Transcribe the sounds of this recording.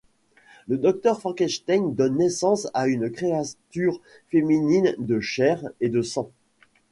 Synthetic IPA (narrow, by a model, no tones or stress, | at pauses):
ləd̪ɔk̚t̪œʁfɑ̃kɛʃt̪aŋd̪ɔnːesɑ̃saynkχeat̪yʁ | feminind̪əʃɛʁed̪əsɑ̃